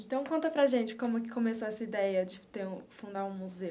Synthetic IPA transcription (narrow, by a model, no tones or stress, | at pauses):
ẽnt̪ɐ̃w̃kõnt̪ɐpɾɐʒẽnt͡ʃɪkõmʊkɪkõmesoɛsɐid̪ɛjɐd͡ʒɪt̪eɾũfũnd̪aɾũmuze